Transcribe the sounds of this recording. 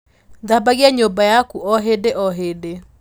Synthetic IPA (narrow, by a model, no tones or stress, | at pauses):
d̪abaɣjaɲobajakuɔɦedeʔɔɦede